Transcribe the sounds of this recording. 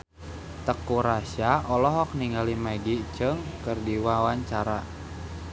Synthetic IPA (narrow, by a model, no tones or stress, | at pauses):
t̪əkuɾasaɔlɔɦɔk̚niŋɡalimaɡit͡ʃəŋkərdiwawaɲt͡ʃaɾa